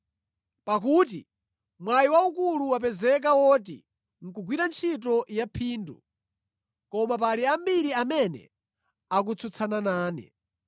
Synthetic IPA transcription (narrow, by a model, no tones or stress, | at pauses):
pak̬uːt̬i | mwajiwaukuluwap̬ɛzɛk̬awɔt̬ḭ | ŋ̩kuɡwiɾant͡ʃʰit̬ɔjapʰiːndṵ | kɔmap̬aliambiɾiamɛnɛ̰ | ak̬ut͡sʰut͡sʰananaːnɛ̰